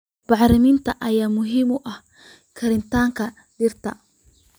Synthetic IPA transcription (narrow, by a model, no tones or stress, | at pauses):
b̥ɑħɾɪmɪnt̪ʰɐʔɐjaːmʊɦɪmʊʔɐh | kʰɐɾɪnt̪ʰaːŋkʰɐ | ɖɪrt̪ʰɐ